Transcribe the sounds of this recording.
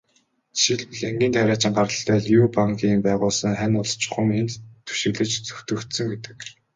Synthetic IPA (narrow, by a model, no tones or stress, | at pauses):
ʃiɮɮæŋɡʲiːnt̪ʰæɾʲaːt͡ɕɪ̆ɴɢaɾə̆ɬt̪æːɮjuːpaŋkʰiːmpæːʁʊːɮsə̆ŋχænʊɮʰt͡ɕʊ̥̆χə̆ŋent̪t̪ʰːu̥ʃɪ̆ɣɮɘ̆t͡ɕt͡sɵ̥xt̪ɵ̆kt̪sɵ̆ŋɡet̪ɘ̥̆k